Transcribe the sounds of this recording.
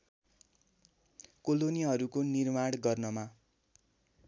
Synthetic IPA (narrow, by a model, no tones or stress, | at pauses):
kolonijaɦʌɾukonirmaɽ̃ɡʌrnʌma